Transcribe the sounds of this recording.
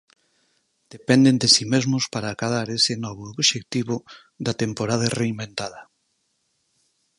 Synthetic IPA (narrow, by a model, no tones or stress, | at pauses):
d̪̥epɛnd̪end̪esimezmʊspaɾaːkaðaɾesenɔβooβʃek̚t̪iβʊ | ðat̪empoɾað̞areimbẽnt̪aðɐ